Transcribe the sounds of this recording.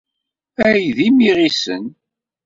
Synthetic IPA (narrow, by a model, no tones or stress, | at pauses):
æjðimiʁisə̰n